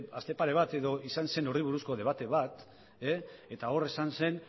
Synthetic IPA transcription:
ast̪e̞paɾe̞β̞at̪e̞ðo̞isanse̞noriβ̞uɾusko̞ðe̞β̞at̪e̞βat̪ | eet̪ao̞re̞sanse̞n

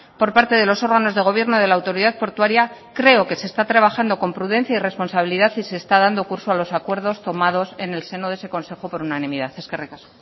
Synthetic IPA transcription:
po̞ɾpaɾt̪e̞ðe̞lo̞so̞ɾɣano̞zðe̞ɣ̞o̞β̞je̞ɾnoðe̞laːwt̪o̞ɾiðaðpo̞ɾt̪waɾjakɾe̞o̞ke̞se̞ːst̪at̪ɾaβaxand̪o̞ko̞mpɾuðe̞n̟θjaire̞spo̞nsaβ̞iliðaθise̞ːst̪aðand̪o̞kuɾso̞alo̞sakwe̞ɾð̞o̞st̪o̞mað̞o̞se̞ne̞lse̞noðeseko̞nse̞xo̞po̞ɾunanĩmiðaθe̞skerekaso̥

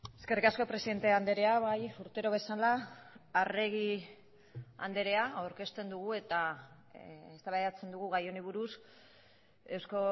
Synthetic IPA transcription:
e̞ske̞rikasko̞pɾe̞siðe̞nt̪eand̪e̞ɾe̞aβajuɾt̪eɾo̞βe̞salaː | re̞ɣ̞i | a̰nd̪e̞ɾe̞aawɾke̞st̪e̞nd̪uɣ̞ue̞t̪a | est̪aβajeat͡se̞nd̪uɣuɣajo̞niβuɾus | e̞wsko̞

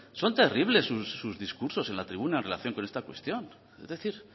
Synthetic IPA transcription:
so̞nt̪e̞riβle̞sːusːuzðiskuɾso̞senlat̪ɾiβunaenrela̰θjo̞ŋkone̞st̪akwe̞̰st̪jo̞n | ezðe̞θiɾ

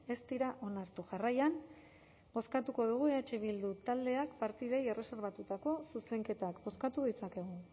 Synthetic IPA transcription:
e̞st̪iɾaʔo̞naɾt̪uʝarajan | bo̞skat̪uko̞ð̞uɣ̞ueat͡ʃeβ̞ild̪ut̪ald̪e̞akpaɾt̪iðe̞je̞re̞se̞ɾβat̪ut̪ako̞suse̞ŋke̞t̪akbo̞skat̪uð̞it͡sake̞ɣo

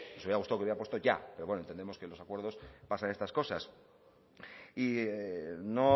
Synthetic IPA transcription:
nosuβiaɣust̪awkeβjeapwet̪oʝa̰peɾowenent̪end̪emo̞ske̞lo̞sakwe̞ɾðo̞spasanest̪asko̞sas | ieno

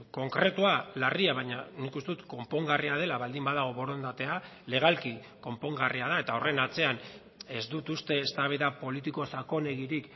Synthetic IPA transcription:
ko̞ŋkɾe̞t̪ualariaβaɲanikust̪e̞ut̪ko̞mpo̞ŋɡariað̞e̞laβald̪imbaðaɣ̞o̞βo̞ɾo̞nd̪at̪e̞ale̞ɣ̞alki | ko̞mpo̞ŋɡariað̞ae̞t̪aore̞nat͡se̞an | e̞zd̪ut̪ust̪e̞ːst̪aβ̞eðapo̞lit̪iko̞sako̞ne̞ɣiɾik

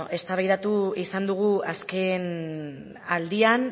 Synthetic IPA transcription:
ʔe̞st̪aβajðat̪uisand̪uɣ̞uaske̞n | ald̪ian

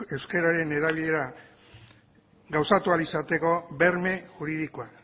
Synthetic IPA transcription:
e̞wske̞ɾaɾe̞ne̞ɾaβiʎe̞ɾa | ɡawsat̪ualisat̪e̞ko̞βe̞ɾme̞ʝuɾiðikoa

